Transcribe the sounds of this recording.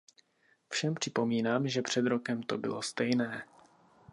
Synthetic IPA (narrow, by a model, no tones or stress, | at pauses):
fʃɛmpr̝̥ɪpo̞miːnaːmʒɛpr̝̥ɛd̪ɾo̞kɛmt̪o̞bɪ̰lo̞st̪ɛjnɛː